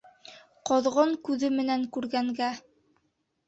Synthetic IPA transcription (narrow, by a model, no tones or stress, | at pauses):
qoðʁɤɴkʉðɘmɘ̆næŋkʉɾɡæŋɡæ